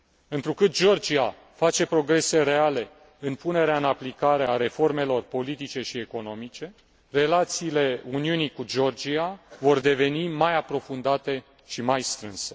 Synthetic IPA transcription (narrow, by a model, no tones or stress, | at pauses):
ɨnt̪ɾukɨt̪̚d͡ʒo̞rd͡ʒia | fat͡ʃe̞pɾo̞ɡɾe̞se̞ɾe̞ale̞ | ɨnpune̞ɾeaɨnaplikaɾe̞aɾe̞fo̞rme̞lo̞rpo̞lit̪it͡ʃe̞ʃie̞ko̞no̞mit͡ʃe̞ | re̞lat̪siːle̞uniunikud͡ʒo̞rd͡ʒiavo̞rd̪e̞ve̞nimajapɾo̞fund̪at̪e̞ | ʃimajst̪ɾɨnse̥